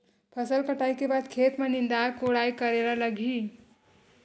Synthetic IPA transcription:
pʰəsəlkəʈaikebad̪kʰet̪menind̪akoɽajkəɾeɾaləɡʱi

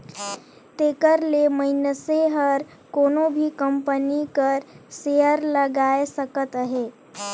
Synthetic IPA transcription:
t̪eːkəɾleməɪnəseɦəɾ | koːnobʱikəmpənikəɾseəɾləɡaːesəkət̪ɦeː

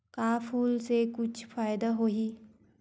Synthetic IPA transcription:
kafuːlsekut͡ɕʰfajd̪aɦoɦi

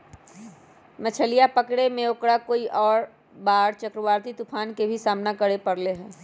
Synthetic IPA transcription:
mɐt͡ʃʰəlijapəkɽemẽʊkɽakoːiʔɔːɾ | baːɽt͡ʃəkɾəʋaːɾt̪it̪upʰaːnkebʱisaːmnakəɽepɐɾleɦɛ̃ː

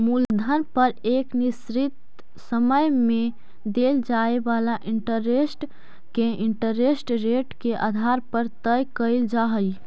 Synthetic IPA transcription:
muld̪ʱəɾpəɾeknisɾit̪ | səməjme | d̪eld͡ʒaebalaʔiɳʈəɾesʈ | keiɳʈəɾesʈɾeʈkeʔa̰d̪ʱaɾpəɾt̪əjkəɪld͡ʒaɦəj

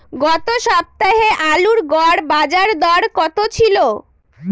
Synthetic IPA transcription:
ɡɔt̪oʃɔb̚t̪aɦeʔaluɾɡɔɾbad͡ʑaɾd̪ɔɾkɔt̪ot͡ɕʰilo

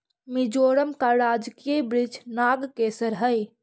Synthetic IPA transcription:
mid͡ʒoɾəmkaɾad͡ʒkiebɾid͡ʒnaɡkesəɾɦəj

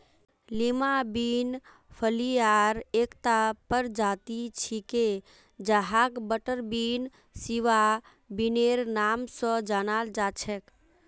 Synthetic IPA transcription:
limabin | pʰəliaɾekt̪apəɾd͡ʒat̪it͡ʃʰike | d͡ʒaɦakbəʈəɾbin | siʋa | bineɾnamsə̃d͡ʒanald͡ʒat͡ʃʰɛk

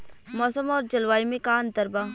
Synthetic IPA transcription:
mɔːsəmɔːɾd͡ʒəlʋaːimẽkaːnd̪əɾbaː

